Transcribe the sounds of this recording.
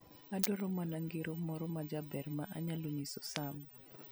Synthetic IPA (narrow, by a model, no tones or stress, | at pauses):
adɔɾɔmanaŋɡeɾomɔɾɔmad͡ʒabɛrmaʔaɲaloɲisosam